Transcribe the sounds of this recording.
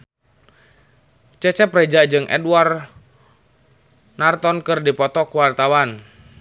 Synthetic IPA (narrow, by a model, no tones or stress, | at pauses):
t͡ʃɛt͡ʃɛprɛd͡ʒad͡ʒɨŋʔɛ̰dwar | nart̪ɔnkɨrdipɔt̪ɔkuwart̪awan